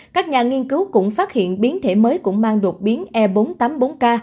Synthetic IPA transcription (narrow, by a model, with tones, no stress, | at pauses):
kaː˦˥k̚ɲaː˨˩ŋi˧ənkɨ˨˦wkʊ̰˧˥ŋ͡mfaː˦˥t̚hḭ˧˨ənɓi˨˦ənt̪ʰe˧˩məː˨˦jkʊ̰˧˥ŋ͡mmaː˧ŋɗu˨˩ət̚ɓi˨˦ənʔɛ˧ɓo˨˦nt̪aː˨˦mɓo˨˦nkaː˧